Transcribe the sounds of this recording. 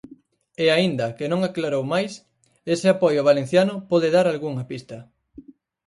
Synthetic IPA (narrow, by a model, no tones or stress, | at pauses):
ɛaind̪ɐkɪnõŋaklaɾowmajs | esɪapɔjʊβalẽn̟θjanʊpɔðɪðaɾalɣuŋɐpist̪ɐ